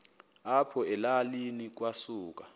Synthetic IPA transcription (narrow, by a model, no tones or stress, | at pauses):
apʰɔɛlalinik̬wasuːk̬ʼa